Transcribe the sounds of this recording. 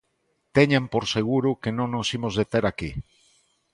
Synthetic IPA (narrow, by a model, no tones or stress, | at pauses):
t̪eɲampoɾseɣ̞uɾukenõŋnosimozðet̪eɾaki